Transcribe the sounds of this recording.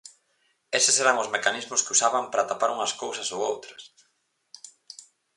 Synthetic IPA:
esɪseɾaŋʊzmekanizmʊskɪusaβɐmpɾat̪apaɾuŋɐskowsɐsowowt̪ɾɐs

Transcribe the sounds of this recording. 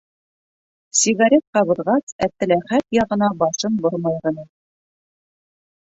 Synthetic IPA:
sʲiɡaɾʲet̪̚qɑβɤ̆ɾʁɑsæt̪ːɘ̆læχæt̪jɑʁɤ̆nɑbɑʃɤnboɾmɑjʁɤ̆nɤ

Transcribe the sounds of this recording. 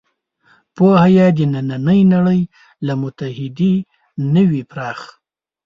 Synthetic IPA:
pohajad̪ənananəjnaɽəj | lamʊt̪ahɪd̪e | nəwipɾɑːx

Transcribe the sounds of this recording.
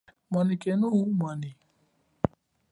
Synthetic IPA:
manikɛnumani

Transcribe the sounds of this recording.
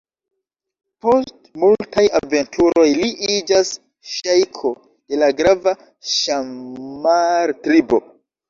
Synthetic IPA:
po̞stmultajave̞ntʰuɾo̞jliʔid͡ʒas | ʃajkʰo̞ | d̥e̞laɡɾava | ʃamːaɾtɾibo̰

